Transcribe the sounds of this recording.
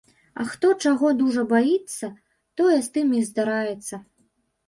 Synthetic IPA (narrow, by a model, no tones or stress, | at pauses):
ɐ̰xt̪ɔt͡ʂaɣɔd̪uʐɐbajit̪sːɐ | t̪ɔjɛst̪ɨmizd̪aɾajɛt̪sːɐ